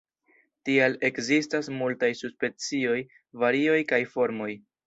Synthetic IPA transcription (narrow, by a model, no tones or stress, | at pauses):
tiale̞kzistasmultajsuspe̞nt͡sio̞j | vaɾio̞jkajfo̞ɾmo̞j